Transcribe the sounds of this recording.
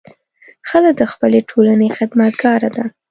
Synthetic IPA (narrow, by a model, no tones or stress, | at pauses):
xələk̚d̪əxpəleʈʰolanexɪd̪mat̪̚ɡɑɾad̪a